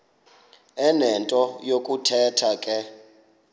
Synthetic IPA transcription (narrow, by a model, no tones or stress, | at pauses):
ɛnɛntʼɔjokʼutʰɛtʰakʼɛ